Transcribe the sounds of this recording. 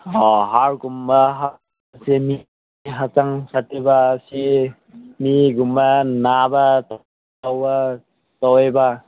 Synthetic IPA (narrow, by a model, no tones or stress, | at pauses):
ɔɦaɾɡumbaɦa | semi | ɦat͡ʃaŋsatːibasi | miɡumbɐnabɐt | awba | tɔweba